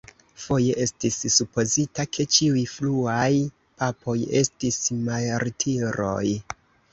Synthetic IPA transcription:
fo̞je̞ʔe̞stisːupo̞zitakʰe̞t͡ʃiujfluaj | papʰo̞je̞stismajɾtʰiɾo̞̰j

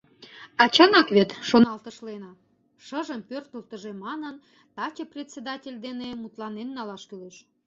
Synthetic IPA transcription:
ɑt͡ɕɑnɑkβet̪ʃonɑlt̪əʃlenɑ | ʃəʒəmpørt̪əlt̪əʒemɑnən | t̪ɑt͡ɕeprʲet̪ʲsed̪ɑtʲelʲd̪enemut̪lɑnenːɑlɑʃkyleʃ

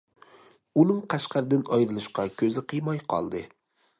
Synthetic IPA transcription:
unɪŋqʰɑʃqɑɾɪd̪ɪnɒjɾɨlˠɪʃqɑkʲʰɵzɪqʰɨjmɑjqʰɒ̰lˠd̪ɪ

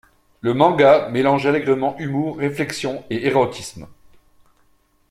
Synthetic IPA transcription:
ləmɑ̃ɡamelɑ̃ʒalɛɡʁəmɑ̃ʔymuːʁːeflɛksjɔ̃eeʁɔt̪ʰism

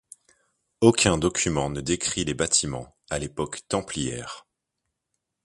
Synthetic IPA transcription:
okʲɛ̃d̪ɔkʲymɑ̃nəd̪ekχilebat̪ʰimɑ̰̃ | alepɔkt̪ɑ̃pliɛ̰ːʁ

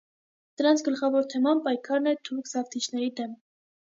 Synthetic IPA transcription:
d̪̥əɾɑnt͡sʰɡəlχɑvɔɾt̪ʰɛmɑnpɑjkʰɑɾnɛt̪ʰuɾkʰzɑft̪ʰit͡ʃʰnɛɾid̪ɛm

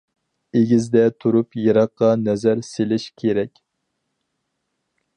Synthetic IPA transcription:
eɡʲizd̪ɛt̪ʰuɾupjɨɾɑqːɑnɛzæɾselɪʃkʲʰeɾɛkʲ

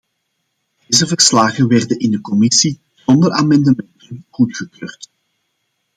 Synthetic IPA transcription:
d̥eːzəvərslaːɣəʋɛrdənɪndəkɔmɪsi | z̥ɔndəraːmɛndəmɛntənɣutxəkøːrt

